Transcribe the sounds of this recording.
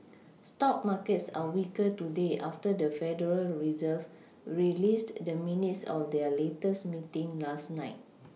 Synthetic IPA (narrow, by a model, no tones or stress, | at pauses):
stɔp̚makətsawikətudeʔaftədəfɛdəɹəlɹizəv | ɹilisdəminitsɔ̰fdɛəletəsmitĩŋlasnaɪt̚